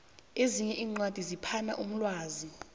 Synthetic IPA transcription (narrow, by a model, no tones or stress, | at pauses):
eziɲɛʔiːŋ͡ǀwad̥ʱizipʰanaʔum̩lwaːzi